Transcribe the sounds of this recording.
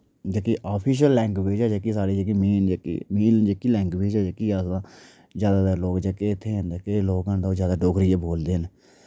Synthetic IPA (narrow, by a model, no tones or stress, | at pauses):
d͡ʒaːkiːʔaːpʰiːʃ̬əlːɛ̃ːŋɡʋeːd͡ʒɛːd͡ʒaːkiːsaːɾiːd͡ʒak̬iːmiːnd͡ʒkḭmiːnd͡ʒeːkiːlɛ̃ːŋɡʋeːd͡ʒɛːd͡ʒaːkiːaːsãː | zjaːd̪aːd̪əloːkd͡ʒaːkeɪt̪ʰːeːə̃nd̪eːkeloːɡãːnd̪aoːzjaːd̪aːɖoːɡɾɪjaːboːld̪eːɦən